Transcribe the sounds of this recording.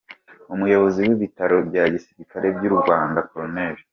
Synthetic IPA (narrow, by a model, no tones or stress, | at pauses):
umujo̞βo̞ziwiβitaɾo̞bjaːɟisiɾikaɾʔe̞bɟuɾuɡwaːndakoɾoneɾi